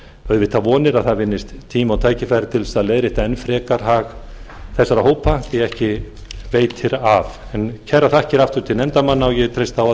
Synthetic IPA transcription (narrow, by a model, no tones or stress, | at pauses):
œðvɪt̪ʰːavɔːnɪɾaðθaðvɪnːɪst̪ʰːiːmawt̪ʰaːjcɪfajɾɪt̪ʰɪlsaðleːðɾɪht̪aɛnfɾɛːkaɾ̥ɦaɣ | θɛsːaɾahoːwpajɛɣɛhcɪ | veːjt̪ʰɪɾavɛncʰɛrːaθahcɪɾaft̪ʏɾt̪ʰɪlnɛnt̪amanːaɔjɛt̪ʰɾejst̪awa